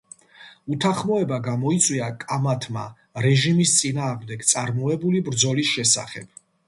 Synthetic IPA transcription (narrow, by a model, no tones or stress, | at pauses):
ut̪ʰaχmɔɛbaɡamɔit̪sʼwiakʼamat̪ʰma̰ | ɾɛʒimist̪sʼinaːʁmd̪ɛɡt̪sʼaɾmɔɛbulibɾd̪zɔlisʃɛsa̰χɛ̰b̥